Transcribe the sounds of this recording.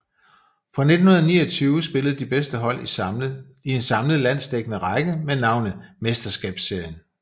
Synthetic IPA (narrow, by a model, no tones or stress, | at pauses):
fʁɑned̥n̩hunɐnḭːɐt͡sʰyːʊsb̥e̝ləð̩ˠd̥ib̥esd̥əɦɒ̽l̰ | ie̝nsɑ̈mləð̩ˠlæn̰sd̥eɡ̥ənəʁɑ̈ɪɡ̥əmenɑ̈ʊ̰nð̩ˠmesd̥ɐsɡ̥ɛ̰ːb̥sːe̝ɐjən